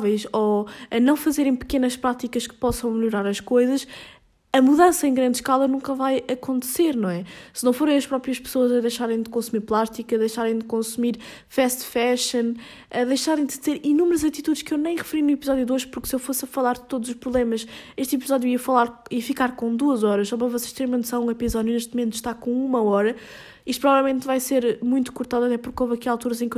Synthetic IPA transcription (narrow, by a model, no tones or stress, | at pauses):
vɛjʃoɐnɐ̃w̃fɐzeɾɐ̃j̃pɨ̥kenɐʃpɾat̪ikɐʃkɨ̥pɔsɐ̃w̃mʎuɾaɾɐʃkojzɐʃ | ɐmuðɐ̃sɐẽɡɾɐ̃nd̪ʃkalˠɐnũkɐvajɐkõnt̪seɾnɐ̃w̃ɛsɨnɐ̃w̃foɾɐ̃j̃ɐʃpɾɔpɾijɐʃpsoɐzɐðɐjʃaɾɐ̃j̃d̪ɨkõsumiɾplˠaʃt̪ikɐðɐjʃaɾɐ̃j̃d̪ɨkõsumiɾ | fɛʃt̪fɛʃɐ̃n | ɐðɐjʃaɾɐ̃j̃d̪ɨzeɾinumɾɐzɐt̪it̪ud̪ʃkewnɐ̃j̃ʁɨfɨɾinuipizɔðjuðoʒpuɾksewfosɐfɐlˠaɾd̪ɨt̪od̪uzuʃpɾuβlˠemɐʃeʃt̪ipizɔðjuiɐfɐlˠaɾifikaɾkõd̪uɐzɔɾɐʃsɔβɐvɔse̥ʃt̪eɾmmẽnt̪sɐ̃ũipizɔðjuneʃ̬t̪̚mumẽnt̪u̥ʃt̪aɾkõumɐɔɾɐ | iʃt̪upɾɔvavɛlˠmẽnt̪vajseɾmũj̃t̪u̥kuɾt̪aðuɐt̪ɛpuɾkovɐkialˠt̪uɾɐzẽk